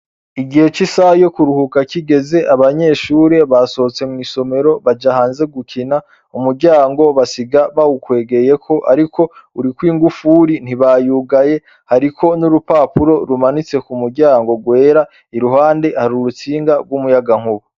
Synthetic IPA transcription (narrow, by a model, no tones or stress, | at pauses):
iɡihe̞t͡ʃisajo̞kuɾuhukakiɡe̞ze̞ʔaβaɲe̞ːʃuːɾe̞βaso̞t͡se̞mŋiso̞me̞ɾo̞βad͡ʒahaːnze̞ɡukʰina | umuɾɟaːŋɡo̞βasiɡaβawukwe̞ːɡe̞je̞kʰo̞ʔaɾikʰo̞uɾikwiːŋɡufuɾin̥iβajuɡaje̞ | haɾikʰo̞nuɾupaːpuɾo̞ɾumanit͡se̞kumuɾɟaːŋɡo̞ɡwe̞ːɾa | iɾuɦaːndehaɾuɾut͡siːŋɡaɡwumujaɡaŋ̥huβu